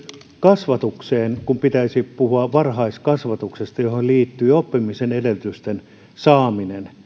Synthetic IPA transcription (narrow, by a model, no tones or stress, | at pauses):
kɑsʋɑt̪ukseːnkumpit̪æisipuhuɑʋʋɑrhɑiskɑsʋɑt̪uksest̪ɑjoholliːt̪ːyːopːimisenedelt̪yst̪en | sɑːminen